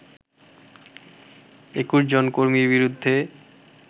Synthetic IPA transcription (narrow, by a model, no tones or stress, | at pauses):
ekuʃd͡ʑonkoɾmiɾβiɾud̪ʱːe